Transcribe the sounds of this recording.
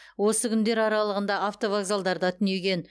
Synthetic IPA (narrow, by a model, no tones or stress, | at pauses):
wo̞səkʲʰʏnd̪e̞ɾɑɾɑlˠəʁənd̪ɑaft̪o̞vaɡzalˠd̪ɑɾd̪ɑt̪ʰɪne̞ɡʲe̞n